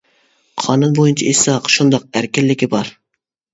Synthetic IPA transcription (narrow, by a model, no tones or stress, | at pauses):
qʰɑnunbojunt͡ʃʰɑisɑqʃund̪ɑq̚æɾkʲɪlːɪkʲibɑɾ